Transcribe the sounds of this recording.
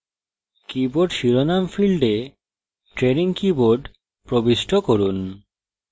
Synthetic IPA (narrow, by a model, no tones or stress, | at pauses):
kiboɖʃiɾonamfilɖe | ʈɾeɾiŋkiboɾɖ | pɾobiʃʈʰokoɾun